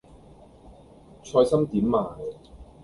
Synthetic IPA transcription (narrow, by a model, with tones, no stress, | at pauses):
t͡ʃʰɔː˧jsɐ˥mt̪iː˨˥mːaː˨˩j